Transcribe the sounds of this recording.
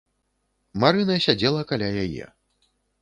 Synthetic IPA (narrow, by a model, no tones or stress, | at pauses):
maɾɨnɐsʲad͡zʲɛlˠɐkalʲajajɛ̰